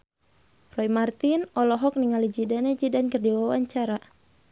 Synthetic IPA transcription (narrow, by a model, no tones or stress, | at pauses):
rɔimart̪inɔlɔɦɔk̚niŋalid͡ʒidanad͡ʒidankərdiwawaɲt͡ʃaɾa